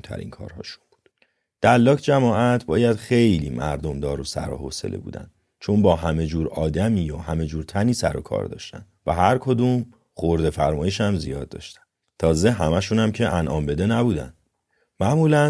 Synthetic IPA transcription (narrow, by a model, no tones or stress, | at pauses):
t̪ʰæ̰ɾḭːnkʰɒ̰ːɾhɒ̰ːʃu̥nb̥u̥ːd̪̥ | d̪̥ælːɒːcʰd͡ʒæmɒːʔæt̪ʰbɒːjæd̪̥xe̞jliːmʔæ̰ɾd̪o̞md̪ɒːɾo̞sæ̰ɾoɦo̰ːsḛlḛbṵːd̪æ̰nd̪ | t͡ʃʰo̞nbɒːɦæme̞d͡ʒuːɾɒːd̪æmiːjohæme̞d͡ʒuːɾt̪ʰæniːsæ̰ɾo̞̰kʰɒ̰ːɾd̪ɒ̰ːʃt̪æ̰nvæɦæɾkʰo̞d̪uːm | χoɾd̪e̞fæɾmɒːjeʃæmzḭjɒːd̪̚ːɒ̰ːʃt̪æ̥n | t̪ʰɒːze̞ɦæmæʃunæmcʰe̞ʔænʔɒːmbe̞d̪e̞næbuːd̪æ̰n | mæʔmuːlæ